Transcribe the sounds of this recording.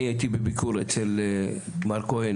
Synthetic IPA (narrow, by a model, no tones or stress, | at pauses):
iajt̪ibebikuɾet͡sel | maɾkohen